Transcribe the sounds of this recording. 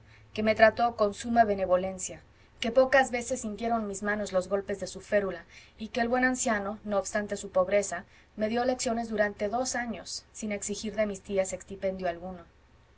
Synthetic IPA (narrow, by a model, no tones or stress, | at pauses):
ke̞me̞t̪ɾat̪o̞ko̞nsumaβe̞ne̞βo̞le̞nsja | ke̞po̞kazβe̞se̞sːint̪je̞ɾo̞nmizmãno̞zlo̞zɣo̞lpe̞zðe̞sufe̞ɾulaike̞ːlβwe̞nansjano̞no̞ːβst̪ant̪e̞supo̞βɾe̞sa | me̞ðjo̞le̞ksjo̞ne̞zðuɾant̪e̞ðo̞saɲo̞sːine̞ksixiɾðe̞mist̪iase̞kst̪ipe̞nd̪joalɣuno̞